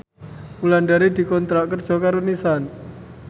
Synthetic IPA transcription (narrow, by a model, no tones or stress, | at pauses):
mulanɖaɾid̪̥i̤kɔnt̪ɾaʔkərd̥ʒ̥ɔ̤kaɾunisan